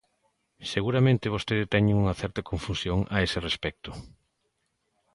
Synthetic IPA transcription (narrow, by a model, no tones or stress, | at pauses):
seɣuɾamẽnt̪ɪβ̞ost̪eðɪt̪ɛɲeŋuŋɐθɛɾt̪akoɱfusjoŋa̰esɪrespɛk̚t̪ʊ